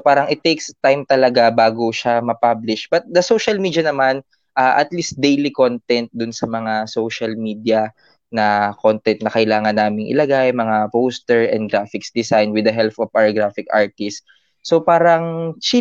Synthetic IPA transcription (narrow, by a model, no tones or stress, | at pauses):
paːɾɐŋʔɪt̪ekst̪ajmt̪ɐlɐɡabaːɡoʃamɐpablɪʃb̥ɐt̪̚d̪ɐsowʃɐlmiːd̪jɐnɐman | ʔaːʔɐt̪list̪̚d̪ejlikont̪ɛnt̪̚d̪ʊnsɐmɐŋasowʃɐlmiːd̪jɐ | nɐko̞nt̪ɛnt̪̚nɐkɐʔɪlaːŋɐnːaːmɪŋʔɪ̰lɐɡajmɐŋapost̪ɛɹɛ̰̃nd̪̚ɡɾafɪksd̪ɪsajnwɪd̪ɐɦɛlfofawɡɹafɪkʔa̰ɹt̪ɪst̪ | sopaːɾɐŋt͡ʃi